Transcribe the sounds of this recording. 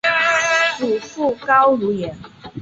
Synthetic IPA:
t͡su˨˩fu˥˨kɑ˦ʊlu˨˥jɛ˨˥n

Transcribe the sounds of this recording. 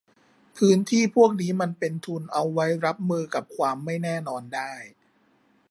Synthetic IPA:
pʰɯː˦˥nt̪ʰiː˥˩pʰu˥˩ək̚niː˦˥ma˧npe˧nt̪ʰu˧nʔa˧wːa˦˥jɾa˦˥p̚mɯː˧ka˨˩p̚kʰwaː˧mːa˥˩jnɛː˥˩nɔː˧ndaː˥˩j

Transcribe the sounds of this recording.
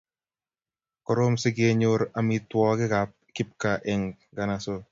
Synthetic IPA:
kɔ˨ɾo˦msɪ˦ɡe˦ɲʊ˦ɾa˨mi˨twɔ˦ɡɪ˦ɡa˨p̚ki˦p̚ka˨ʔɛ˨ŋ | ɡa˨na˨so˦

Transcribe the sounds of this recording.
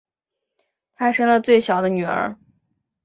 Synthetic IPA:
t̪ʰa˥ʂə˥ŋlə˨t͡swe˥˩ɪɕjɑ˨˩ʊd̪ə˦ny˨˩ə̰˞˧˥

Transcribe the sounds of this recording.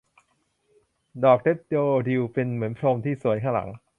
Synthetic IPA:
dɔː˨˩k̚t̪ʰe˦˥p̚doː˧di˧wpe˧nmɯ˩˦ənpʰɾo˧mt̪ʰiː˥˩su˨˩˦əjkʰa˥˩la̰˩˦ŋ

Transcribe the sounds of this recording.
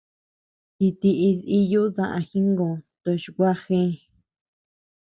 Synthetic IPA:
ki˧t̪i˧ʔi˧ði˧ju˦ðã˧˨ʔã̰˧xi˦ŋɡõ˨t̪o˧˨ʃu˧kʷa˦xẽ˦

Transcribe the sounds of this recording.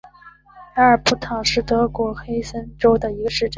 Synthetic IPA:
a˧˥ə˞˨˩pu˧˥t̪ʰɑ˨˩ŋʂɻ̩˥˩t̪ɤ˧˥kwɔ˧˥xe˥ɪsə˥nʈ͡ʂo˥ʊd̪ə˨i˧˥ɡə˧ʂɻ̩˥˩ʈ͡ʂ

